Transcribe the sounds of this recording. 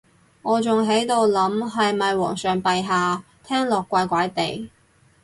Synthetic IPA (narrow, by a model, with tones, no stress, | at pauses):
ŋɔː˨˧t͡sʊ˨ŋɦe˨˥jt̪o˨˧wlɐ˨˥mɦɐ˨jmɐ˨jwɔː˨˩ŋsœː˨ŋpɐ˨jɦaː˨˧ | t̪ʰɛː˥ŋlɔː˨kʷːaː˧jkʷaː˨˥jt̪e˨j